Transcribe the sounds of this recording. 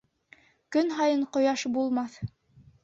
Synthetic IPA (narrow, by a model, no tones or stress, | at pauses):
kɵnɦɑjɤɴqŏjɑʃbulˠmɑθ